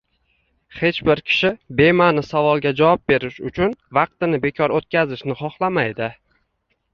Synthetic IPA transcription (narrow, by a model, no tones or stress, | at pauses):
he̞t͡ʃbɪɾkʲʰɪ̥ʃɪbe̞manɪsavɒlˠɡʲad͡ʒavɒp̚be̞ɾɪʃʊt͡ʃʰʊnvɑq̚t̪ɪnɪbe̞kʲʰɒɾot̪̚kʲazɪʃnɪχɒχlˠamajd̪ɪ